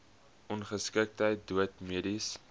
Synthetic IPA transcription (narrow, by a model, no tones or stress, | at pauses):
ʔɔnχəskək̚tɦəjt̚duətmiədis